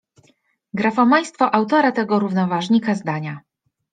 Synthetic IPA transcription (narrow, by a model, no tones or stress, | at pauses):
ɡɾafɔmaj̃st̪fɔʔawt̪ɔɾat̪ɛɡɔɾuvnɔvaʐɲikazd̪aɲa